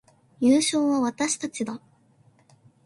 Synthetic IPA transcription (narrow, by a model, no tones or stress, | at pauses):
jɯːɕo̞ːβaβat̪aɕi̥t̪at͡ɕid̪a